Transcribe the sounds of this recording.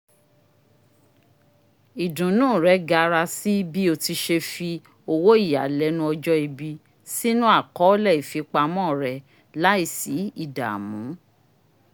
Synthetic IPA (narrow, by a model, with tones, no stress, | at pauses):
i˨dũ˨˦nũː˦˨ɾɛ˨˦ɡa˧ɾa˧si˦i˦bi˦o˧ti˧ʃe˧fi˧ | o˧wo˦i˦˨ja̰˨lɛ˨˦nũ˧˦ɔ˧d͡ʒɔ˦i˧bi˧ | si˦nũ˦a˦˨kɔ˨˦lɛ˦˨i˨fi˨˧k͡pa˧mɔ̃˦˨ɾɛ˨ | la˦i˦˨si˨˦i˦˨da̰˨mũ˨˦